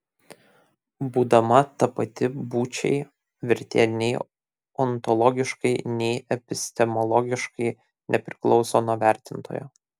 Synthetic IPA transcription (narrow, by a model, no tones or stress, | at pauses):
buːd̪ɐmɐt̪ɐpɐt̪ʲɪbuːt͡ʃʲɛ̰ɪ | ʋʲɪɾʲt̪ʲḛːnʲɛɪ | ɔnt̪ɔlˠɔɡʲɪʃkɐɪnʲɛɪʔɛpʲɪsʲt̪ʲɛmɔlˠɔɡʲɪʃkɐɪ | nʲɛpʲɾʲɪklˠɒʊsoːnuɔʋʲæˑɾʲt̪ʲɪnt̪o̰ːjo̰ː